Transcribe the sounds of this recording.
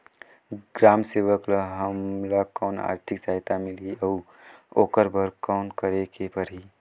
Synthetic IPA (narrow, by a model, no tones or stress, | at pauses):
ɡɾaːmseːʋəkləɦəmlakɔːna̰ːɾt̪ʰɪkd͡ʒaːjt̪amɪliə | oːkəɾbəɾkɔːnkəɾekepəɾi